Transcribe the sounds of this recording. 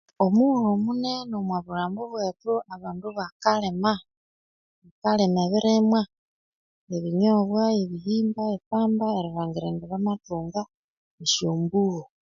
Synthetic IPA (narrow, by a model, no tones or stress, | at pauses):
omuɾomune̞nomwaβuɾaːmboβweːtuʔaβaːnduβakalema | βikalemeβiɾemwa | eβiɲoβwaeβiɦiːmbaepaːmbaeɾiβaːŋɡiɾeːndeβamatuːŋɡa | eʃjoːmbuɣo